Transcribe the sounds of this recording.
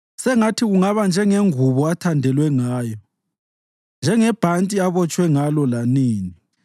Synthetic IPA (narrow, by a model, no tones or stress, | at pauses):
sɛŋatʰiɣuŋaβand͡ʒʱɛŋeŋuβɔatʰandʱɛlwɛŋaːjɔ | nd͡ʒʱɛŋɛb̥ʱantʼiaβɔt͡ʃʼwɛŋalɔlaniːni